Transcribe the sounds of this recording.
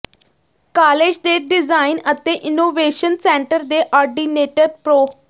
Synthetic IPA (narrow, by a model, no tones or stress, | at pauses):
kaːleːd͡ʒd̪eːɖɪzaːɪnət̪eːʔɪnoːʋeːʃənsɛ̃ːɳʈəɾd̪eːʔɔːɾɖiːneːʈəɾ̚pɾoː